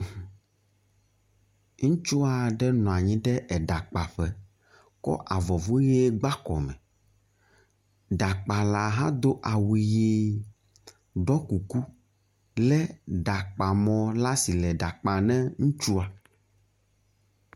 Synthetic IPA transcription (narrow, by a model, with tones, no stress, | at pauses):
ŋũ˦t͡ʃu˦a˨ɖɛ˦nɔ̃˨a˨ɲĩ˦ɖɛ˦ʔɛ˨ɖa˨k͡pa˨ɸɛ˦ | kɔ̰˦ʔa˨vɔ˨vo˦jɛe˦ɡ͡ba˦kɔ̰˨mɛ̰̃˨ | ɖa˨k͡pa˨la˨ɦã˦d̪o˦ʔa˨wi˨ji˦ | ɖɔ˦ku˨ku˦ | lɛ˦ɖa˨k͡pa˨mɔ̃˨la˦si˨lɛ˨ɖa˨k͡pa˨nɛ̃˦ŋũ˦t͡ʃu˦a˨